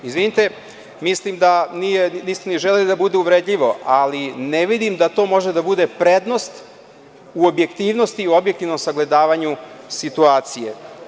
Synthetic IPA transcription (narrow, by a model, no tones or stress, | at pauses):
izʋinit̪e | mislimd̪anijenist̪aniʒelelid̪abud̪euʋɾeːd̪ʎiʋo̞alineʋid̪imd̪at̪o̞ːmo̞ʒed̪abud̪e̞pɾed̪no̞st̪ | uobje̞kt̪iːʋno̞st̪iobje̞k̚t̪ivno̞msaɡle̞d̪aːʋaɲusit̪uaːt̪sije